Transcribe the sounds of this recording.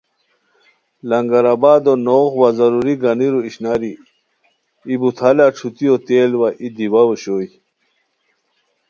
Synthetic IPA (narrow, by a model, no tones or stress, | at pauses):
lɐŋɡɐɾabaːd̪onoːɣwazɐɾuɾiɡɐniɾuiɕnaɾi | ibut̪ʰalaʈ͡ʂʰut̪iot̪eːlwaʔid̪iwɐwoɕoːj